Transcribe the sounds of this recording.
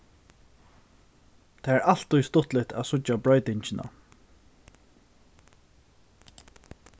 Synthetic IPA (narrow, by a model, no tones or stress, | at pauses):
t̪ʰaːæɹal̥t̪ːʊjst̪ʊht̪lɪt̪ʰæðsʊt͡ɕːabɹɔʏt̪ɪɲt͡ɕɪna̰